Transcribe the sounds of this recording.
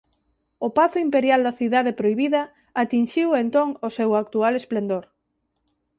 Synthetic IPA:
opaθʊimpeɾjald̪ɐθiðaðepɾojβiðɐ | at̪inʃiwent̪oŋosewak̚t̪ualesplend̪oɾ

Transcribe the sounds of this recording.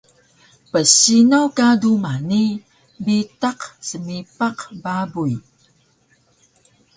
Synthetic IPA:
pəsinawkadumani | bitaqsəmipaqbabuj

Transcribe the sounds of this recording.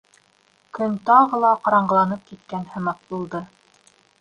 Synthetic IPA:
kɵnt̪ɑʁɤlˠɑqɑɾɑɴɢɤlˠɑnɤp̚kit̪̚kænhɤ̆mɑt̚bulˠd̪ɤ

